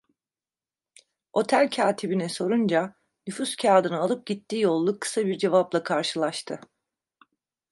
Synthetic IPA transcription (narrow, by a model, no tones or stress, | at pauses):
o̞t̪ʰælʲcʰaːt̪ʰibinɛso̞ɾund͡ʒa | nyfuscʰaːd̪ɯnɯalˠɯp̚ɟit̪ʰːiːjo̞lˠːukʰːɯ̥sabiɾd͡ʒe̞vaplˠakʰaɾʃɯlˠaʃt̪ʰɯ